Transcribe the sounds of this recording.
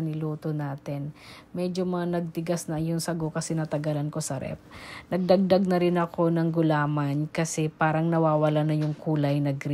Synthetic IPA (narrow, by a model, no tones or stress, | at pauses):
nɪluːt̪onaːt̪ɛnmɛd͡ʒo̞mɐŋanɐɡ̚t̪ɪɡasnɐjʊŋsɐɡokɐsɛnɐt̪ɐɡalɐnko̞sɐɾʔɛ̰p̚nɐɡ̚d̪ɐɡ̚d̪aɡ̚nɐɾɪnɐko̞nɐŋɡʊlaːmankɐsɛpaːɾɐŋnɐwaːwɐlanɐjʊŋkʰuːlɐjnɐɡɾ